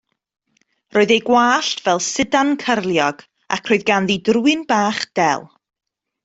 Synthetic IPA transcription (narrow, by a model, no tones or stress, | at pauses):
roːɨðejɡwaːɬtʰv̥ɛlˠsɪdankʰərlˠjɔɡ̥ | a̰kʰroːɨðɡanðidruɨnbaːχd̥ɛlˠ